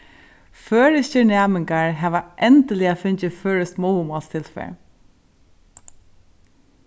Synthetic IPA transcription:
føːɹɪsɪɳæːmɪŋkaɹɦæːʋaʔɛnt̪əlɪafʏɲt͡ʃɪføːɹɪst̪mɔwmɔːlst̪ʰɪlfɛ̰ːɹ

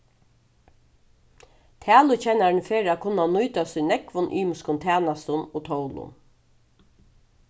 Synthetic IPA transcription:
t̪ʰæːlʊt͡ɕɛnaɹnfeːɾakʰʊnːanʊjt̪asʏnɛkʋʊnʔy̰ːmʊskʊnt̪ʰæːnast̪ʊnoːt̪ʰowlʊ̰n

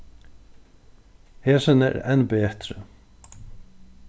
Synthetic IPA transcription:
heːsənɛ̰ɾɛ̰nbeːt̪ɾə

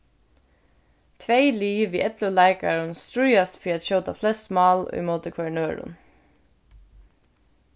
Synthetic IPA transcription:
t̪ʰʋeɪliːʋiːʔɛt̪ləlæɪkaɹənst̪ɹʉʏast̪fiːat̪ʃœːt̪aflɛst̪mɑːlɔ̰ʏ̰moːt̪əkʰʋæɳøːɹʊ̰n

